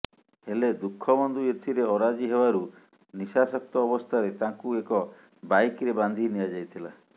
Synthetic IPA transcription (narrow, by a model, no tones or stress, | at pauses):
heled̪ukʰːɔbɔnd̪ujet̪ʰiɾeɔɾad͡ʒiɦebaɾu | nisasɔk̚t̪ɔːbɔst̪ʰaɾet̪ãŋkuekɔ | bajkɾeband̪ʱinijad͡ʒajt̪ʰila